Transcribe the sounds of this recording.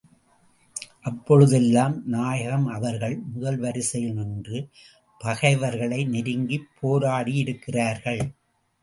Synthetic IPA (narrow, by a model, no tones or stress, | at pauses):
ʔɐpːɔɻɯðɛlːaːmnaːjɐɣɐmɐʋɐɾɣɐɭmʊðɐlʋɐɾɪsɐjnɯndrɯ | pɐɣɐɪʋɐɾɣɐɭɐɪnɪɾɯŋɡipʰːoːɾaːɽiɪɽɯkːɪraːɾɣɐɭ